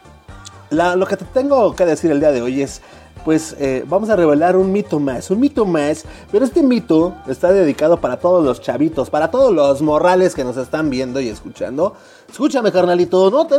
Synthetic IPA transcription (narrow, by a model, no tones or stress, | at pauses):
lalo̞ke̞t̪et̪e̞ŋɡo̞ke̞ðe̞siɾeld̪iaðe̞o̞je̞s | pwe̞sebamo̞sare̞βe̞laɾunmit̪o̞masunmit̪omaspeɾoe̞st̪e̞mit̪o̞e̞st̪aðe̞ðikaðo̞paɾat̪o̞ðo̞zlo̞st͡ʃaβit̪o̞spaɾat̪o̞ðozlo̞zmo̞rale̞ske̞no̞se̞st̪ambje̞nd̪o̞ie̞skut͡ʃa̰nd̪o̞ | eskut͡ʃame̞kaɾnalit̪onot̪e